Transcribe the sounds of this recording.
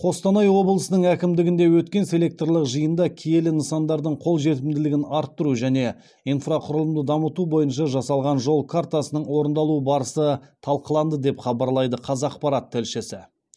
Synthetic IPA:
qʰo̞st̪ɑnɑjwo̞blˠəsənəɴækʲɪmd̪ɪɡʲɪnd̪e̞wɵt̪kʲe̞nse̞lʲe̞k̚t̪rlˠəqʒəjənd̪ɑkʲʰije̞lɪnəsɑnd̪ɑɾd̪əɴqʰo̞lˠʒe̞t̪ɪmd̪ɪlɪɡʲɪnɑɾt̪ːʊɾuʒæne̞ | infraqʰʊɾəlˠəmd̪əd̪ɑmət̪ubo̞jənʃɑʒɑsɑlˠʁɑnʒo̞lˠkʰaɾt̪asənəɴwo̞ɾənd̪ɑlˠuəbɑɾəsət̪ʰɑlˠqəlˠɑnd̪əd̪e̞pχɑbɑɾlˠɑjd̪əqʰɑzɑqpɑɾɑt̪ʰːɪlʃɪsɪ

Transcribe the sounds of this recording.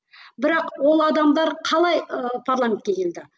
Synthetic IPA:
bɪɾɑqwo̞lˠɑd̪ɑmd̪ɑɾqʰɑlˠɑjəpʰaɾrlˠamʲent̪kʲekʲʰe̞ld̪ɪ

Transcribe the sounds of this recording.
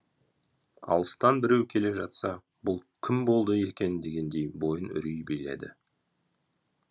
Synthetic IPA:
ɑ̰lˠəst̪ɑnbɪɾe̞wkʲʰe̞le̞ʒɑt̪sɑ | bʊlˠkʲʰɪmbo̞lˠd̪əe̞kʲe̞nd̪e̞ɡʲe̞nd̪e̞jbo̞jənʏ̰ɾijbejle̞̰d̪ɪ̰

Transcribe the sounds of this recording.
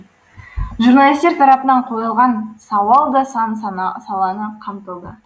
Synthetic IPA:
ʒurnalˠist̪eɾt̪ʰɑɾɑpənɑɴqʰo̞jəlˠʁɑnsɑwɑlˠd̪ɑsɑnsɑlˠɑnəqʰɑmt̪əlˠd̪ə

